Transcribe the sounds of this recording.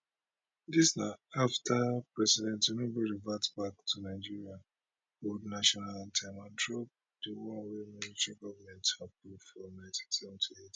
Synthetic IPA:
disnaaftʰapɹɛsidɛ̃ntunobiɹivatbaktʰunaɪd͡ʒiɹia | odnaʃɔnaltʰamãntɹop̚ | d̥iwɔwɛmilitɛɹiɡɔvəmɛ̃nthapuvfɔmɛttɛ̃mtʰuit

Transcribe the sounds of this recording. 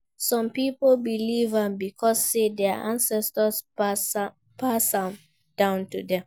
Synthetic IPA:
sɔ̃mpipolbilivãmbikʰɔsːedɛaʔã̰nsɛstəss | pasãm | d̥ãʊ̃ntudɛ̃m

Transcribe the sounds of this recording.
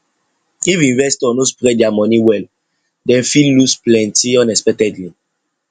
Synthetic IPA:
ivĩɱvɛstɔnospɾɛdjamɔniwɛl | dɛ̃nfillusplɛ̃ntiɔ̃nɛspɛk̚tɛdli

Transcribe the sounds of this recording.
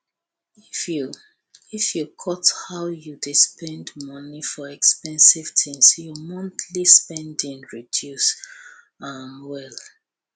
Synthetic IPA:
ifju | ifjukʰɔthawjudispʰɛ̃ndmɔnifɔɛkspɛ̃nsiv̥tʰĩmsjumɔ̃ntʰlispɛ̃ndĩnɹidjus | amwɛl

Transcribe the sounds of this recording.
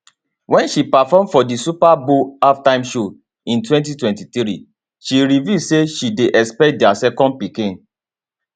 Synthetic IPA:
wɛ̃nʃipafɔmfɔdisupaboaftãɪ̃mʃo | ĩntwɛ̃nt̬itwɛ̃ntiθɾḭ | ʃiɾiviseʃideʔɛspɛkt̚dɛasɛkɔ̃nd̚pikĩn

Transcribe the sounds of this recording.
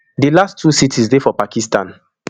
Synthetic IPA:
dilastʰːusitʰisdɛfɔpakistãn

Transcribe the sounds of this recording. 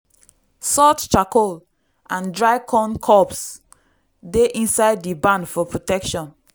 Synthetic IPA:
sɔtt͡ʃakol | ʔãndɹaɪkʰɔ̃nkʰɔps | deʔĩnsaɪdːibãndfɔpɹotɛkʃɔ̃n

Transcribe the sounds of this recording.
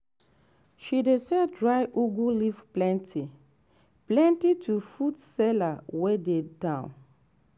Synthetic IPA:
ʃidesɛdɹajʔuɡulifplɛ̃ntʰi | plɛ̃ntitʰufudsɛlawededãw̃n

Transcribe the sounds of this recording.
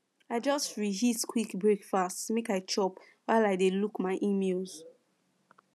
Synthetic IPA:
aɪd͡ʒɔstɹiziskʰwikbɹekfastmekaɪt͡ʃɔp | waɪlaɪdelukmaɪʔimelz̥

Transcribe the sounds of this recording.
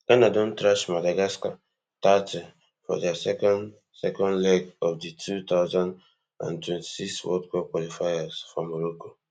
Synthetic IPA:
lanadõntɾaʃmadaɡaska | tati | fɔ̰dɛsɛkɔn | sɛkɔ̃nlɛɡɔfditʰut̪aʊzãnd | ã̰ntwɛ̃nti̥sikswɔ̰d̚kɛkwalifajaz̥fɔmoɾoko

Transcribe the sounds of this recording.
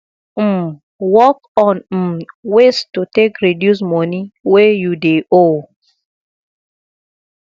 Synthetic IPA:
m̩ | wɔkɔn̩westutekɾidjus̬mɔniwejudeo

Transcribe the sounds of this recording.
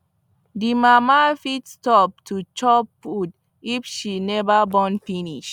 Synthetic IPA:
dimamafitstɔp̚tʰut͡ʃɔpːud | ifʃinɛvabɔ̃nfiniʃ

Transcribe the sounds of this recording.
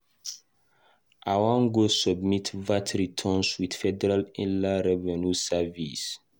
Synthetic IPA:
ʔawãŋɡosɔbmitvatʰɹitʰɔ̃nswid̥fɛdɛɾalĩlaɾɛvɛnusavis

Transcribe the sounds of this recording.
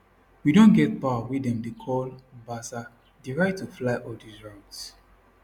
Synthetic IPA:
widõnɡɛt̚pawawidɛ̃mdekʰɔlbasa | deɹaɪtːuflaɪʔɔldisɹãʊns

